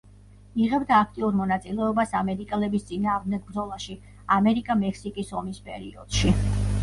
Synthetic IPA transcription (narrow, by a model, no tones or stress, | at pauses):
iʁɛbd̪aːk̚ʰt̪ʼiuɾmɔnat̪sʼilɛɔbasamɛɾikʼɛlɛbist̪sʼinaːʁd̪mnd̪ɛɡ̚bɾd̪zɔlˠaʃi | amɛɾikʼamɛkʰsikʼisɔmispʼɛ̰ɾiɔ̰d̪̥ʃi